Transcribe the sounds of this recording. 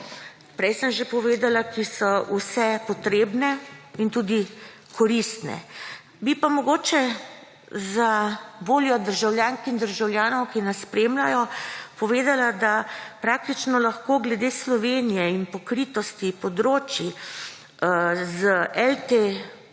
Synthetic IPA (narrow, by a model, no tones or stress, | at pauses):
pɾɛjsəmʒepɔʋeːd̪alakʰisɔʔusɛpɔt̪ɾeːbnɛint̪ud̪i | kʰɔɾist̪nɛ̰ | bipamɔɡoːt͡ʃɛ | zaboːljɔd̪əɾʒawljaːnskixd̪əɾʒawljaːnɔwkinasspɾeːmlajɔpɔʋeːd̪alad̪apɾaːk̚t̪it͡ʃnɔlaxkoːɡlɛd̪eːslɔʋenijɛinpɔkɾit̪ɔst̪ipɔd̪ɾoːt͡ʃi | zʔɛlt̪e